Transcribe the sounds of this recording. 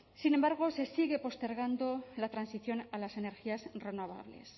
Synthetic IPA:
sine̞mbaɾɣ̞o̞se̞siɣe̞po̞st̪e̞ɾɣ̞and̪o̞lat̪ɾansiθjo̞nalase̞ne̞ɾxiasre̞noβ̞a̰βle̞̰s

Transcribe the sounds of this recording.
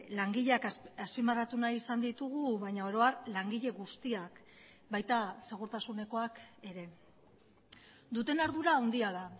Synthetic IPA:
laŋɡiʎeakaspimarat̪unaisand̪it̪uɣ̞uβajɲao̞ɾo̞arlaŋɡiʎe̞ɣust̪iak | bajt̪ase̞ɣ̞uɾt̪asune̞ko̞ake̞ɾe̞ | d̪ut̪e̞naɾðuɾaːwnd̪iaða

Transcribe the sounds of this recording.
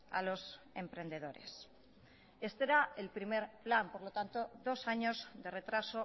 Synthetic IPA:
a̰lo̞s | ẽ̞mpɾe̞nd̪e̞ðoɾe̞̰s | est̪eɾaelpɾime̞ɾplampo̞ɾlot̪ant̪oðo̞saɲo̞zðe̞re̞t̪ɾaso

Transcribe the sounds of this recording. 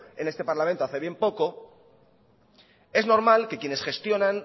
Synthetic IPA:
ene̞st̪epaɾlamẽnt̪o̞aθe̞βje̞mpo̞ko̞ | e̞zno̞ɾmalke̞kje̞ne̞sxe̞st̪jo̞nãn

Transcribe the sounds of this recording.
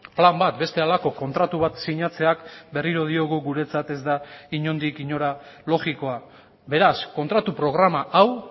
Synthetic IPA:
plambat̪be̞st̪e̞alako̞ko̞nt̪ɾat̪uβ̞at̪siɲat͡se̞akbe̞riɾoð̞io̞ɣuɣuɾe̞t͡sat̪e̞zd̪aiɲo̞nd̪ikiɲo̞ɾalo̞ɣiko̞a | be̞ɾasko̞nt̪ɾat̪upɾo̞ɣ̞ɾamaʔaw

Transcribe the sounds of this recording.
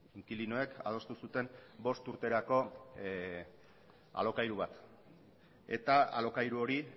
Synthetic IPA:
iŋkilino̞e̞ka̰ð̞o̞st̪usut̪e̞mbo̞st̪uɾt̪e̞ɾako̞ | a̰lo̞kajɾuβat̪ | e̞̰t̪aa̰lo̞kajɾuo̞ɾi

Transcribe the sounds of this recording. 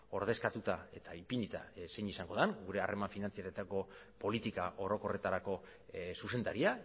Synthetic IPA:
o̞ɾð̞e̞skat̪ut̪ae̞t̪aipinit̪a̰se̞ɲisaŋɡo̞ðanɡuɾe̞arʔe̞maɱfinant͡siaɾet̪ako̞ | po̞lit̪ikaʔo̞ɾo̞ko̞re̞t̪aɾako̞ | suse̞nd̪aɾia

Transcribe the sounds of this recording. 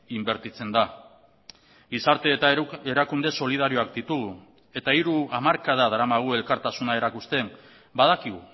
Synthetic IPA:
imbe̞ɾt̪it͡se̞nd̪a | ɡisaɾt̪e̞ːe̞ɾakund̪e̞so̞liðaɾio̞akd̪it̪uɣu | e̞t̪aiɾuamaɾkaðað̞aɾamaɣ̞ue̞lkaɾt̪asunae̞ɾakust̪e̞m | bað̞akiɣu

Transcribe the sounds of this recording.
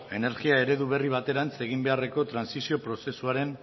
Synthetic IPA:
e̞ne̞ɾɣiae̞ɾe̞ðuβ̞e̞riβ̞at̪e̞ɾant͡se̞ɣimbe̞are̞ko̞t̪ɾansisio̞pɾo̞se̞suaɾe̞n

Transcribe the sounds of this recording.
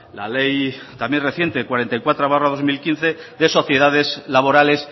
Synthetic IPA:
la̰lejt̪amjenreθje̞nt̪eekwaɾe̞nt̪ajkwat̪ɾaβaraðo̞zmilkinθe̞ | ðe̞so̞θjeðaðe̞zlaβo̞ɾale̞s

